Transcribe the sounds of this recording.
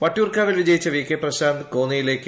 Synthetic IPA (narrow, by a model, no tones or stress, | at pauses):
pɐʈːuːrkaːʋilʋid͡ʑɐjit͡ɕːɐʋiːkːeːprɐɕaːnd̪koːnijile̞ːkːɨ